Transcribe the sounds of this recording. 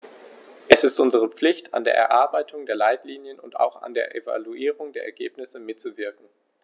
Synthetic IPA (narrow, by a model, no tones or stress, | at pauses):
ʔɛsɪstʔʊnzəʁ̞əp͡flɪçtʰa̰ndḛːɐʔɛ̰ɐʔaɐbaɪtʰʊŋdeːɐlaɪtliːnjənʊnta̰ʊxa̰ndeːɐʔeva̰luiːʁ̞ʊŋdeːɐʔɛ̰ɐɡḛːpnɪsəmɪtt͡suvɪɐkŋ̩